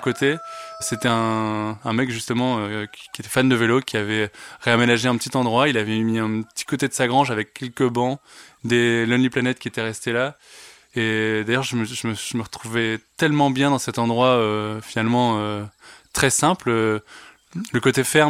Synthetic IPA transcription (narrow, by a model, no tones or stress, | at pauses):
kot̪eset̪ɛɛ̃ɛ̃mɛkʒyst̪əmɑ̃økʲiet̪ɛfand̪əvelokʲiavɛʁeamenaʒeɛ̃pət̪it̪ɑ̃d̪ʁwailavɛmiɛ̃pət̪i̥kot̪ed̪əsaɡʁɑ̃ʒavɛkʲːɛlkəbɑ̃d̪elɔnliplanɛt̪̚kʲiet̪ɛʁɛst̪ela | ed̪ajœʁʒəməʒəməʒəməʁət̪χuvɛt̪ɛlmɑ̃bjɛ̃d̪ɑ̃sɛt̪ɑ̃d̪ʁwaøfinalmɑ̃øt̪χɛsɛ̃plø | ləkot̪efɛʁm